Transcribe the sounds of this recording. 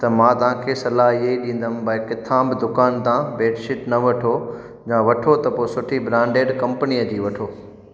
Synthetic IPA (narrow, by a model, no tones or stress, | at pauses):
t̪ɐmãːt̪ɐʋ̤ãkʰesɐlaːɦieiɗĩːn̆d̪ənbɐɪkɪt̪ʰãːbɪd̪ʊkaːnt̪ãbeːʈʃɪʈnɐʋɐʈʰo | d͡ʑãːʋɐʈʰot̪ɐpoːsʊʈʰibɾãːɳɖeːɖkɐ̃mpənijəd͡ʑiːʋɐʈʰoː